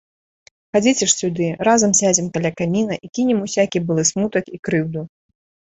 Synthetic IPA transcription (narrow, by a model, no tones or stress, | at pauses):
xad͡zʲit͡sʲɛʂsʲud̪ɨɾazɐmsʲad͡zʲimkalʲakamʲinɐʔikʲinʲɛmusʲakʲibɨlˠɨsmut̪ɐkikɾɨwd̪u